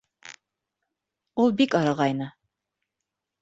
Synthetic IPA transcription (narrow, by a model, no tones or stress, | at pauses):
ulˠbikɑɾɑʁɑjnɤ